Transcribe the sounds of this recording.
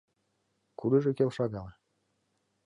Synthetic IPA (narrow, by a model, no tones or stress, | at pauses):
kud̪ɤʒĕkelʃɑɣɑlɑ